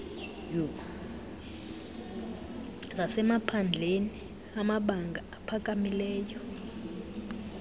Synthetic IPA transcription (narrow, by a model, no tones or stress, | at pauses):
ju | zasɛmapʰand͡ɮʱeni | amaɓaŋɡʱaapʰak̬ʼamilɛːjɔ